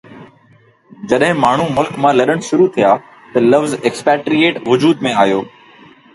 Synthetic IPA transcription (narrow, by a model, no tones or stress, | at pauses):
d͡ʑɐɗɦɪ̃maːɳ̤umʊlkmãːlɐɗəɽ̃ʃʊɾut̪ʰijaː | t̪ɐlɐʋzekspɛːʈɾijeːʈʋʊd͡ʑuːd̪mẽaːɦjoː